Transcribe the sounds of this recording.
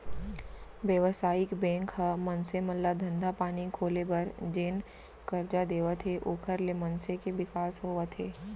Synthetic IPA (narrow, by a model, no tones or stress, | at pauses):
ʋjəʋsaːɪkbɛ̃ːŋkhəmɐnsemɐlːad̪ʱə̃nd̪ʱapaːnikʰoːlebɐɾd͡ʒeːn | kɐɾd͡ʒad̪eːʋət̪ʰeʔoːkʰəɾlemɐnsekeʋɪkaːsɦoːət̪ʰeː